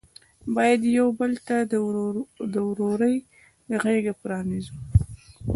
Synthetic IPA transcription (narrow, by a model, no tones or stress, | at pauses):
bɑjad̪jawbəlt̪ad̪əd̪əwɾoɾəj | d̪əɣeɡapɾɑnizu